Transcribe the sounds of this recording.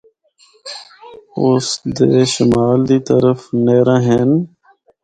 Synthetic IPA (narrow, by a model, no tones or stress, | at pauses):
ʊsd̪eːʃɪmaːld̪iːt̪əɾəfneːɾãːɦeːn